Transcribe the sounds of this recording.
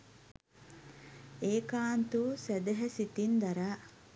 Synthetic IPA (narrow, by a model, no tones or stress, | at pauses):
eːkaːnt̪usɛd̪eɦɐsit̪ind̪ɐɾa